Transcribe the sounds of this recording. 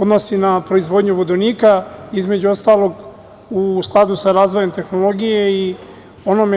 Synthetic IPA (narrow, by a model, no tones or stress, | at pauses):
od̪no̞sinapɾo̞izʋo̞d̪ɲuʋod̪oniːkaizme̞d͡ʑuost̪aːlˠo̞ɡ | usklˠad̪usaɾaːzʋoje̞mt̪e̞xno̞lo̞ɡije̞i | o̞nome